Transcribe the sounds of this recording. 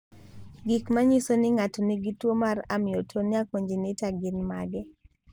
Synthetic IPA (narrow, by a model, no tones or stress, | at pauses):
ɡikmaɲisonɪŋatɔnɪɡitwomaramɪotʰonɪakoɲd͡ʒinɪtaɡɪnma̰ɡɛ